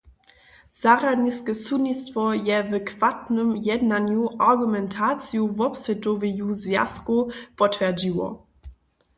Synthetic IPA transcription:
z̥aʁadɲiskɛsunistvɔjɛvɛkʰv̥atnəmjɛdnanjuʔaʁɡumɛntʰaːt͡sjuvɔpsvɛtɔvɛjuzvja̰skupɔtvɛɐd͡ʑiwɔ̰

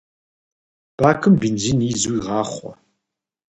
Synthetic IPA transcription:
b̥aːkʰɨmbinziniːzuiʁɑːχʷɔ̰

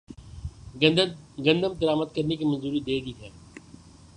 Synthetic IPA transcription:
ɡə̃nd̪əmd̪əɾaːmət̪̚kəɾnekimənzuːɾid̪eːd̪iːɦɛː

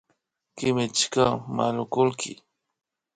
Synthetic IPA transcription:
kɪmɪt͡ʃkamalʊkʊlkʰɪ̰

